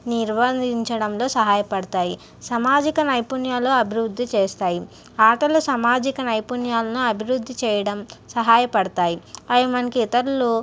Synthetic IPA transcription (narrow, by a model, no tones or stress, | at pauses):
niɾʋɐd̪iɲt͡ʃɐɽɐmlo̞ːsɐɦaːjɐpɐɽɐt̪aːji | sɐmaːd͡ʒikɐnɐjpunjaːloɐbʱiɾuɾd̪ʱːit͡ʃeːst̪aːji | aːʈɐlusɐmaːd͡ʒikɐnɐjpunjaːlɐnuɐbʱiɾud̪ʱːit͡ʃɛːjɐɽɐmsɐɦaːjɐpɐɽɐt̪aːjiɐjɐmɐnɐkiːt̪ɐɾulu